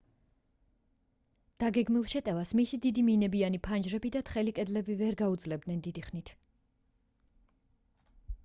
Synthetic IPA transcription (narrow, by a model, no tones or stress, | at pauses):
d̪̥aɡɛɡmilˠʃɛt̪ʼɛvasmisid̪id̪iminɛbianipʰand͡ʒɾɛbid̪at̪ʰχɛlikʼɛd̪lɛbivɛɾɡaud̪zlɛb̚d̪nɛnd̪id̪iχnit̪ʰ